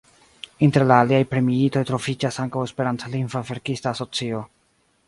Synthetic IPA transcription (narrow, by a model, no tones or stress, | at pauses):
inte̞ɾlaːliajpɾe̞miito̞jtɾo̞fid͡ʒasaŋkawe̞speɾantlinvave̞ɾkistaːso̞t͡sio̞